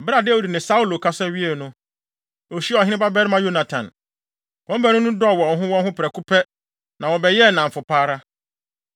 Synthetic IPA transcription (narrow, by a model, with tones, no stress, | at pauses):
ba˨dɛ˦wu˦di˨nɪ̃˨sa˦u˦lo˨kʰa˦sɛ˦ɥi˦ɛ˨nʊ̃˦ | ɔ˨ɕi˦ɔ˨ɦɪ̃˦ɪ̃˦ba˦bɛ˦ɾɪ˦mã˦jo˦nã˨tʰã̰˨n | kɔ̃˦m˦bæ˦nʊ̃˦nʊ̃˦dɔ˦ɔ˨wɔ˨ɔ˨ɦʊ̃˦wɔ̃˦ɦʊ̃˦pʰɪ˨ɾɛ˨kʰu˦pʰɛ˦ | nã˨wɔ˨bɛ˨jɛ˦˨nã˨m̩˨fʊ˨pʰaː˦ɾa˦